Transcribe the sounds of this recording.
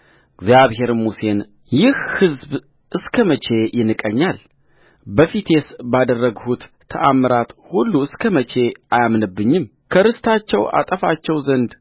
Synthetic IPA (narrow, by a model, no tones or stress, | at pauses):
ɡzjaβɦe̞ɾmuse̞n | jɪhhɨzb | ʔɨskʰəmət͡ʃʰe̞jɪnɨkʼəɲːal | bəfit̪ʰe̞sbad̪ərːəɡhut̪ʰːə̰ʔamːɨɾat̪hulːuɨskʰəmət͡ʃʰe̞ʔajamnɨbːɨɲːɪm | kʰəɾɨst̪ʰat͡ʃːɛwʔa̰t̪ʼəfat͡ʃːɛwzənd̪